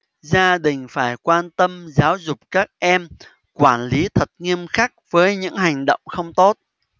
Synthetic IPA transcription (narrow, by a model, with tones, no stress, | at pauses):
zaː˧ɗï˨˩ŋ̟faː˧˩jkwaː˧nt̪ə˧mzaː˨˦wzʊ˨˩k͡p̚kaː˦˥k̚ʔɛ˧m | kwaː˧˩nli˨˦t̪ʰə˨˩t̚ŋi˧əmxa˦˥k̚vəː˨˦jɲɨ̰˧˥ŋɦa˨˩jŋ̟ɗə̰˧˨wŋ͡mxə˧wŋ͡mt̪o˦˥t̚